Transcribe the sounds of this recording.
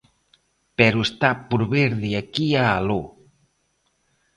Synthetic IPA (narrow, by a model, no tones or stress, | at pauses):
pɛɾuest̪apuɾβeɾðiakiaːlo